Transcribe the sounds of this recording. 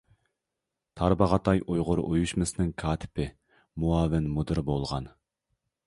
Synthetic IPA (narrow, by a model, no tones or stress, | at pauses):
t̪ʰɑɾbɑʁɑt̪ʰɑjʔojʁʊɾʔojuʃmɨsɨnɪŋkʰɑːt̪ʰɪ̥pʰɪ | muɑːvɪnmud̪ɨɾbolˠʁɑ̰n